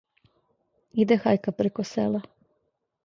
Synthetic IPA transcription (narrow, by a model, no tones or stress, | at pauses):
id̪exajkapɾekosḛla